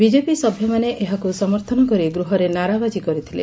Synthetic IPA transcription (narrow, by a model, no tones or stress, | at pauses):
bid͡ʒepisɔbʱjɔmaneʔeɦakusɔmɔɾt̪ʰɔnɔkɔɾiɡɾuɦɔɾenaɾabad͡ʒikɔɾit̪ʰilḛ